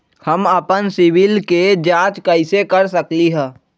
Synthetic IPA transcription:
həməpənsɪwɪlked͡ʒaːt͡ʃkəɪsekəɾsəkliɦɛ̃ː

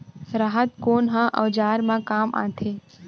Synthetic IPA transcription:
ɾaɦət̪koːnɦãʔə̰ʋd͡ʒaːɾmãkaːmʔã̰ːt̪ʰeː

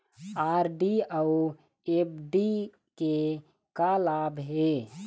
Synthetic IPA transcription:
aːɾɖiau | ep̚ɖi | ke | kalaːbɦe

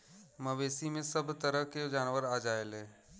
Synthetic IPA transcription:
mɐʋeːsimẽsɐbt̪ɐɾəɦked͡ʒaːnʋəɾaːd͡ʒaːeleː

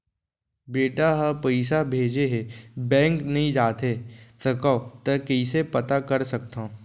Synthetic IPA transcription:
beːʈaɦɐpɐɪsabʱeːd͡ʒeɦebɛ̃ːŋknɐɦĩd͡ʒaːt̪et̪ɐkat̪ɐkəɪsepɐt̪akɐɾsɐk̚t̪ã

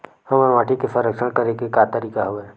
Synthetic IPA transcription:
həməʋaːʈʰikesəɾəkʃəɽ̃kəɾekekat̪əɾiːkaɦoe

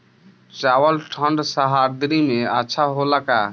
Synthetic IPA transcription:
t͡ʃawəlʈʰəɳɖsəɦaɾd̪ɾimeətːʃʰaɦolaka

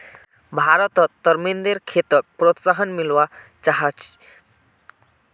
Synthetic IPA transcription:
bʱaɾɔt̪ɔt̪ːəɾmind̪eɾkʰet̪ək̚pɾot̪saɦənmilʋa | t͡ʃaɦat͡ʃ

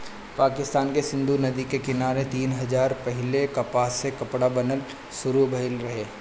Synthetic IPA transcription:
paːkɪst̪aːnkesɪ̃nd̪ʱunɐd̪ikekɪnaːɾet̪iːnɦɐd͡ʒaːɾpɛɦɪlekɐpaːsekɐpɽabɐnəl | sʊɾubʱɐɪlɾɐɦeː

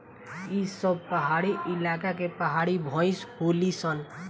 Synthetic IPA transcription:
isəb̚ʱpəɦaɽiʔɪlakakepəɦaɽibʱɔ̃ɪsholisən

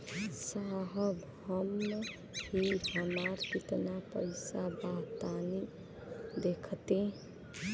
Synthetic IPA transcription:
saɦəb | həmn | ɦiɦəmaɾpit̪napə̰jsabat̪ani | d̪ekʰt̪ẽ

